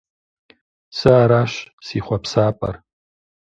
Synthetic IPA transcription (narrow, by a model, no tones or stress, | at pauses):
sɨːɾaʃsiχʷapʰsaːpʼa̰r